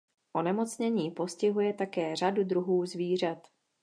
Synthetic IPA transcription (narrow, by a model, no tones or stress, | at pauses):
ʔo̞nɛmo̞t͡sɲɛɲiːpo̞scɪɦujɛt̪akɛːr̝adud̪ɾuɦuːzviːr̝at̪